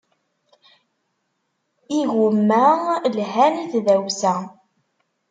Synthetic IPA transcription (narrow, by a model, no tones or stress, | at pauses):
iɣumːælɦæniθðæwsæ